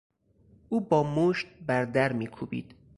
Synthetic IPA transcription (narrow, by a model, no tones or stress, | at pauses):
ʔuːbɒːmoːʃt̪̚bæɾd̪æɾmiːkʰuːbḭːd̪̥